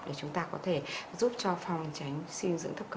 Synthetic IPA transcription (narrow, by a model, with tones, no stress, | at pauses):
ɗe˧˩t͡ɕʊ˨˦ŋ͡mt̪aː˧kɔ˨˦t̪ʰe˧˩zu˦˥p̚t͡ɕɔ˧fa˨˧˩wŋ͡mt͡ɕa˨˦jŋ̟si˧nzɨ̰˧˥ŋt̪ʰə˦˥p̚k